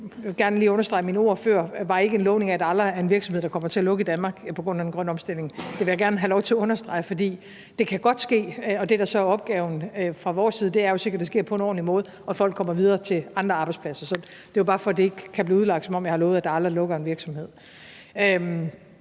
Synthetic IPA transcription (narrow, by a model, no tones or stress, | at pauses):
jɡ̥æɐnəliːɔ̽nɐsd̥ʁɑ̈ɪminəo̝ɐ̰føɐ̰ʋɑ̈e̝ɡəe̝nlɔ̽ʊne̝ŋæd̥ɑ̈ɑl̥ɐæɐenʋiɐɡsɒmeð̰ˠd̥ɑkɒ̽m̰ɐt͡sʰe̝ælɔ̽ɡ̥əid̥ænmɑ̈ːɡ̥pʰɒ̽ɡ̥ʁɔ̽n̰æenɡ̥ʁɶn̰ɒ̽msd̥el̰neŋd̥e̝ʋe̝jaɡ̥æɐnəɦælɒʊt͡sʰe̝æɔ̽nɐsd̥ʁɑ̈ɪfɒ̽d̥ḭː | d̥e̝kʰæɡ̥ɒ̽d̥sɡ̥e̝̰ːɒ̽d̥e̝ɾ̥ɑ̈sɒæɐɒ̽b̥ɡ̥ɛːʊn̩fʁɑ̈ʋɒːsːiːð̞ˠd̥e̝æɐjo̝se̝ɡ̥ɐd̥̚esɡ̥e̝ɐ̰pʰɒ̽enɒ̰ːnimɔ̽ːð̞̩ˠʔɒ̽fɒ̽l̰ɡ̥kʰːɒ̽m̰ɐʋið̞ˠɐːt͡sʰe̝lɑ̈nd̥ʁɐɑ̈ːb̥ɑɪdspʰlæsɐsɒ̽ | d̥e̝jobɑ̈ːfɒd̥ee̝ɡ̥əkʰːæb̥liːuð̩ˠlɑ̈ɡ̥̚d̥sɒ̽mɒ̽mjɑ̈hɑ̈lɔ̽ʊð̩ˠæd̥ɑ̈ɑld̥ʁɐlɔ̽ɡ̥ɐenʋiɐɡ̥sɒ̽mhe̝ð̰ˠ | øm